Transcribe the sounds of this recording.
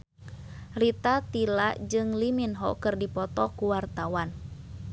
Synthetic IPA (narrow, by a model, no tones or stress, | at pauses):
rit̪at̪ilaʔd͡ʒɨŋliminɦɔkɨrdipɔt̪ɔkuwart̪awan